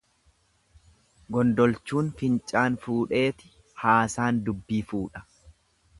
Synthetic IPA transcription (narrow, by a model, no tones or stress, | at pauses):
ɡɔnd̪ɔlt͡ʃːuːnfɪnt͡ʃʼaːnfuːᶑe̞ːt̪ɪ̥ | haːsaːnd̪ʊbːiːfuːᶑɐ̥